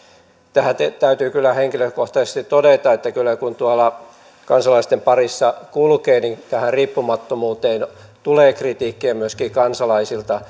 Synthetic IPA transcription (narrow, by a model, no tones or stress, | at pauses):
t̪æhæt̪et̪æyt̪yːkylːæheŋkiløkoht̪ɑsest̪itt̪odet̪ɑet̪ːækylːˑækunt̪uɑlɑ | kɑnsɑlɑist̪empɑrisːɑkulkeːnit̪æhæriːpːumɑt̪ːomuːt̪eːnt̪uleːkrit̪iːkːiæmyøskiːkɑnsɑlɑisilt̪ɑ